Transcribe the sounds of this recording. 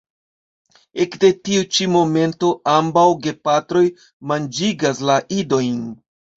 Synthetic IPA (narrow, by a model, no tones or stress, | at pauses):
e̞kde̞tiut͡ʃimo̞me̞nto̞ʔambawɡe̞patɾo̞j | mand͡ʒiɡaslaʔido̞jn